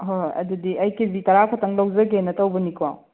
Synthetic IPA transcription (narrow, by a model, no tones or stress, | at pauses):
ɦoɐ̰dudiʔɐjkibitɐɾakʰotɐŋlɐwzɐɡenɐtɐwbɐnikʰwa̰w